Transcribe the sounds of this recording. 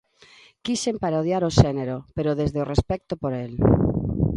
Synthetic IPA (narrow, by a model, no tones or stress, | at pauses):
kisempaɾoðjaɾoʃeneɾopeɾoðezðeorespɛk̚t̪opoɾel